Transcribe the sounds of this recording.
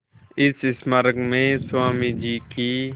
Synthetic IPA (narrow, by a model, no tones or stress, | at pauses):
ɪsɪsməɾəɡmẽːsʊwaːmiːd͡ʒiːkiː